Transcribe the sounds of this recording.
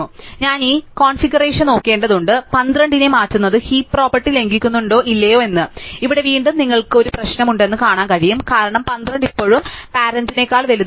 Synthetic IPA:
ɲaːniːkoːɳfiɡɐreːʂɐno̞ːkːe̞ːɳɖɐðuɳɖɨpɐnd̪rɐɳɖinɨmaːtːunːɐðɨhiːpro̞ːpːɐrʈːile̞ŋɡikʲːunːuɳɖo̞ːʔilːɐjo̞ːe̞nːɨiʋiɽe̞ʋiːɳɖumniŋːɐɭkɨo̞ɾuprɐɕnɐmuɳɖe̞nːɨkaːɳaːnkɐɻijumkaːɾɐɳɐmpɐnd̪rɐɳɖipːo̞ːɻumpaːɾɐndine̞kːaːɭʋeluð

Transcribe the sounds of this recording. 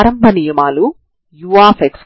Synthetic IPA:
ɾɐmbʱɐnijɐmaːlu | juʋaːfeks

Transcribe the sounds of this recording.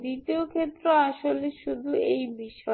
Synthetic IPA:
d̪it̪iokʰet̪ːɾoaʃoleʃud̪ʱuejbiʃɔ

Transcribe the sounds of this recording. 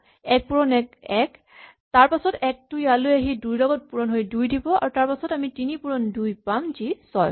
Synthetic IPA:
ɛk̚puɹɔnɛkɛk | taɹpasɔtɛk̚tujalojaɦidujlɔɡɔt̚puɹɔnɦojdujdibɔa̰ɹutaɹpasɔtamitinipuɹɔndujpamzisɔj

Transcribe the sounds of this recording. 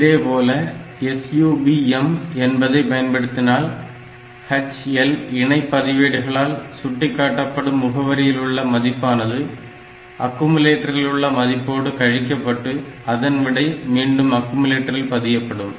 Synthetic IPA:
ɪðeːpoːlɐɛsjuːbiɛmɛnbɐðɐɪpɐjɐnpɐɽɯt̪ːɪnaːl | hɐt͡ʃɛlɪɳɐɪpːɐðɪʋeːɽɯɣɐɭaːlsʊʈːɪkːaːʈːɐpːɐɽɯmːʊɣɐʋɐɾɪjɪlɯɭːɐmɐðɪpːaːnɐðɯ | ɐkːɯmɯleːʈːɐɾɪlʊɭːɐmɐðɪpːoːɽɯkɐɻɪkːɐpːɐʈːɯɐðɐnʋɪɽɐɪmiːɳɖɯmɐkːɯmɯleːʈːɐɾɪlpɐðɪjɐpːɐɽɯm

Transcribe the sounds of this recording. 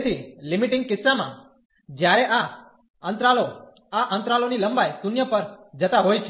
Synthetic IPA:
t̪ʰilimiʈɪ̃ŋɡ̚kɪtsamã̰ | d͡ʒjaɾɛʔa | ə̃nt̪ɾalo | aʔə̃nt̪ɾaloniləmbajsunjəpəɾd͡ʒət̪aɦojt͡ʃʰe

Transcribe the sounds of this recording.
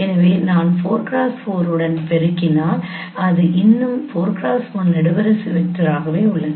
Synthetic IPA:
ɛnɐʋeːnaːnfoːɾkɾaːsfoːɾɯɽɐnpɛɾɯkːɪnːaː | ɐðɯʔɪnːɯmfoːɾkɾaːsfoːnnɛɽɯʋɐɾɐsɯʋɪt̪ːɯɾaːɣɐʋeːʊɭːɐð

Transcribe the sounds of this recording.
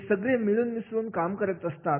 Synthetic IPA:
səɡɭemiɭuːnʋisʋuːnkamkəɾət̪əst̪at̪

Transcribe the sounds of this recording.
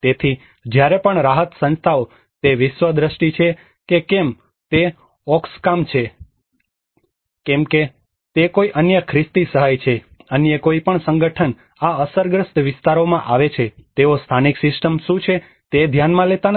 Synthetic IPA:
t̪et̪ʰi | d͡ʒjaɾepəɳɾaɦət̪sə̃nst̪ʰao | t̪eʋɪʃʋəd̪ɾəʃʈit͡ʃʰe | kekem | t̪e | ɔkskamt͡ʃʰe | kɛmke | t̪ekoiʔənjəkʰɾɪst̪isəɦajt͡ʃʰe | ənjəkoipəɳsəŋɡəʈʰən | aəsəɾɡɾəst̪ʋɪst̪aɾomãʔaʋet͡ʃʰet̪eost̪ʰaniksɪsʈəmʃũt͡ʃʰe | t̪ed̪ʱjanmãlet̪an

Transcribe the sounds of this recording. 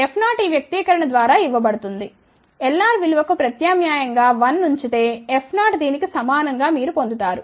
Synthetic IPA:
epʰnaːʈiːʋjɐk̚t̪iːkɐɾɐɳɐd̪ʋaːɾaːiʋːɐbɐɽut̪und̪i | elːaːɾʋiluʋɐkupɾɐt̪jaːmjaːjɐŋɡaːʋɐnːuɲt͡ʃit̪e̞ːepʰnaːʈd̪iːnikisɐmaːnɐŋɡaːmiːɾupo̞nd̪ut̪aːɾu

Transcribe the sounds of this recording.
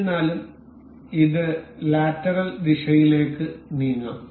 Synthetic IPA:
nːaːlum | iðɨlaːtːɐɾɐld̪iʂɐjile̞ːkːɨniːŋːɐ̰m

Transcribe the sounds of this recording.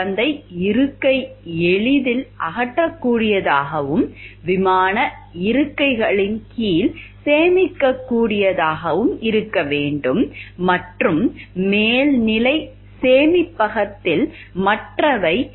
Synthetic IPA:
ɐnd̪ɐɪɪɾɯkːɐɪɛɭɪðɪlʔɐɣɐʈːɐkːuːɽɪjɐðaːɣɐʋɯmʋɪmaːnɐ | ɪɾɯkːɐɪɣɐɭɪnkiːlseːmɪkːɐkːuːɽɪjɐðaːɣɐʋɯmɪɾɯkːɐʋeːɳɖɯmːɐʈrɯmmeːlnɪlɐɪ | seːmɪpːɐɣɐt̪ːɪl | mɐʈrɐʋɐɪ

